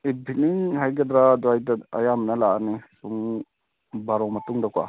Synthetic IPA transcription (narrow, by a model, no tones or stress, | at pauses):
ibʱiniŋhajɡɐdɾadɔajdɐa̰jamnɐlaanisuŋ | baɾɔmɐtuŋdaka̰